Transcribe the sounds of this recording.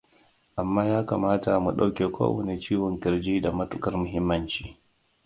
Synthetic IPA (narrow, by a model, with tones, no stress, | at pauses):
ʔa˨mːaː˦jaː˦ka̰ː˨maː˦ta˨mu˨ɗa˦wkʲeː˨kʷʰo̰ː˦wɐ̰˨ne˨t͡ʃiː˦wɔ˨ŋkʲɪ˨ɾd͡ʒiː˦da˨mɐ˦tʊ˦kɐ˦rmʊ˨ɦɪ˦mːɐ˦nt͡ʃi̥ː˦